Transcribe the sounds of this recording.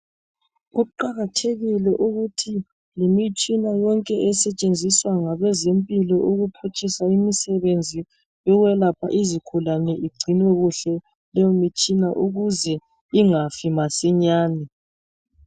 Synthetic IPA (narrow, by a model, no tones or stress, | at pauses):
ɣuǃaɣatʰeɣilɛʔuɣutʰi | limit͡ʃʼinajɔŋkʼɛʔɛsɛt͡ʃʼend͡zʱiswaŋaβɛzempʼilɔʔuɣupʰut͡ʃʼisaimisɛβend͡zʱi | jɔɣwɛlapʰa̰ʔizikʰulanɛʔiɡ͡ǀʱinwɛɣuɬɛ | lɛomit͡ʃʼinaʔuɣuzɛ | iŋafimasiɲaːnɛ